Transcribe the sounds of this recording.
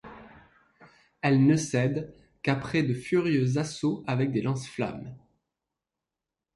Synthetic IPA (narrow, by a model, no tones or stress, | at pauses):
ɛlnəsɛd̪ | kapχɛd̪əfyʁjøzasoavɛk̚d̪elɑ̃sfla̰m